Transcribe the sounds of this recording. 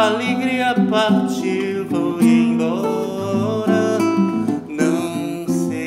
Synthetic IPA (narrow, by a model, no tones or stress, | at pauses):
aleɡɾiɐpaɾt͡ʃi | vowẽŋɡɔ | ɾɐ | nɐ̃w̃ | se